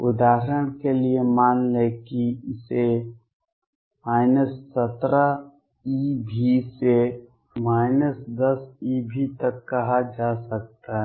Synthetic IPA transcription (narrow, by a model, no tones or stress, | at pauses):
ʊd̪aːɦəɾəɽ̃keliemaːnlekiɪse | maːɪnəsːət̪ɾə | ibʱise | maːɪnəsd̪əsibʱit̪əkːɐɦad͡ʒaːsək̚t̪aɦɛ